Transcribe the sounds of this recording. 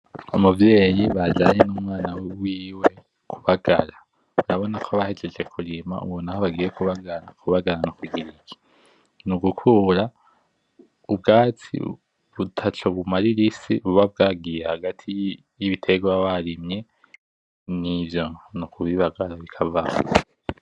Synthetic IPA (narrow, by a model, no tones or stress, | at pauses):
omuvje̞ːjiβad͡ʒaɲenumwaːnawwiːwe | kʰu̥βaɡ̥a̰ɾa | βuɾaβo̞nakʰoβahed͡ʒed͡ʒe̞kʰuɾima̰ṵβonahoβaɡiːjekuβaɡaɾakʰuβaɡaɾanukwiɡiɾiki̥ | nuɡukʰuːɾa | ub̚ɡaːt͡sḭ | βutʰat͡ʃoβumaɾiɾisiβuβab̚ɡaɡiːjehaɡatʰi | jiβitʰe̞ɡwawaɾimɲe̞ | nivjo̞nukuβiβaɡaɾaβikʰava